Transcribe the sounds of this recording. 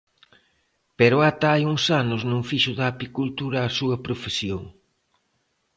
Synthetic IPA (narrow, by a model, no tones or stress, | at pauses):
peɾʊat̪aajuŋsanʊznũŋfiʃʊðɐːpikult̪uɾɐːsuɐpɾofesjoŋ